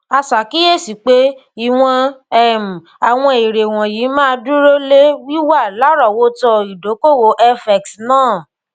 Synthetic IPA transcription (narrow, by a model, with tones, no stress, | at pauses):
a˧sa˨ki˦e˦˨si˨k͡pe˦i˨w̃ɔ̃˧ɛ˦˨m̩˨ | a˨w̃ɔ̃˧i˨ɾe˨w̃ɔ̃˨jiː˨˦mãː˦˧du˦ɾo˦le˦wi˦wa˦˨la˨˦ɾɔ˦˨wo˦tɔ˧i˨do˨˦ko˦˨wo˨˦ʔɛ˧fɛ˨ksnãː˦˨